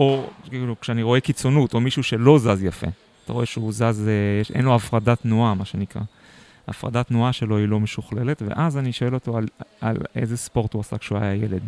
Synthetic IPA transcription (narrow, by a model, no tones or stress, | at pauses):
o̞kiːlukʃeaniʁo̞e̞kit͡so̞nuto̞miʃuʃe̞lo̞zazjafḛ | ataʁo̞eʃeuzazejeʃʔḛnloafʁadatnuamaʃenikʁa̰ | a̰fʁa̰datnuaʃe̞lo̞ilo̞meʃuχle̞le̞tvḛʔazaniʃoe̞lo̞toalalḛzespo̞ʁthuasa̰kʃea̰jaje̞led